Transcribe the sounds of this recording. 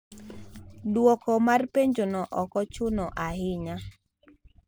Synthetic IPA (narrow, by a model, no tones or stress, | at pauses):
dwɔkɔmarpeɲd͡ʒonɔʔɔkɔt͡ʃʊnɔʔahɪɲa